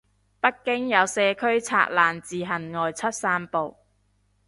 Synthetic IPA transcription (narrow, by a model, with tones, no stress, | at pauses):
pɐ˥t̚kɪ˥ŋjɐ˨˧wsɛː˧kʰɵ˥ɥt͡sʰa̰ː˧˥k̚laː˨˩nt͡siː˨˩ɦɐ˨˩nŋɔː˨jt͡sʰɐ˥t̚saː˥mpo˨w